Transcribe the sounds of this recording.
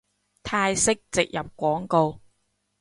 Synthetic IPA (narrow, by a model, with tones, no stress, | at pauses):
t̪ʰaː˧jsɪ˥k̚t͡sɪ˨k̚jɐ˨p̚kʷɔː˨˥ŋko˧w